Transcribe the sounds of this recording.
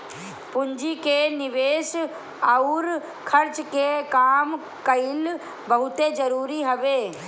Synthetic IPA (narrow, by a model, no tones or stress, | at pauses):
pʊɲd͡ʒikenɪʋeːs | aʊɾ | kʰɐɾt͡ʃkekaːm | kɐɪl | bɐɦʊt̪ed͡ʒɐɾuːɾiɦɐʋeː